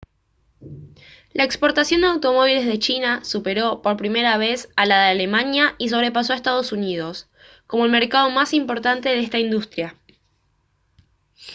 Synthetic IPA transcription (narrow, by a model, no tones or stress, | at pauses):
lʔaekspo̞ɾt̪asjo̞nd̪eawt̪o̞mo̞β̞ilezðe̞t͡ʃinasupe̞ɾo̞po̞ɾpɾime̞ɾaβ̞e̞salaðeale̞manjais̬o̞β̞ɾe̞pas̬oaest̪að̞o̞sunið̞o̞s | ko̞moelme̞ɾkað̞o̞masimpo̞ɾt̪ant̪e̞ðeest̪aind̪ust̪ɾja